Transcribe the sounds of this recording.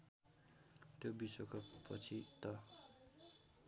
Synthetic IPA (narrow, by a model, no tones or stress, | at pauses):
t̪jobiswokʰʌpʰʌ̰t͡sʰit̪ʌ